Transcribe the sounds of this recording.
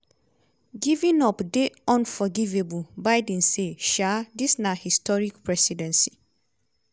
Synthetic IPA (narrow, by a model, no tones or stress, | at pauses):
ɡivĩnɔpdeɔ̃nfɔɡivebubaɪdɛ̃nseʃadisnahistɔɹikpʰɹɛsidɛ̃nsi̥